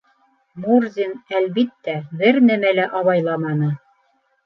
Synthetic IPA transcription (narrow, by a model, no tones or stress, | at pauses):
murzʲinælβit̪ːæbɘɾnæmælæʔɑβɑjlˠɑmɑnɤ